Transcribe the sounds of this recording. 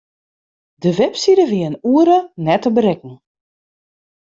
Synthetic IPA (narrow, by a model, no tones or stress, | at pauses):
dəʋɛpsiɾəʋiəənuəɾənɛtəbəɾɛkŋ̩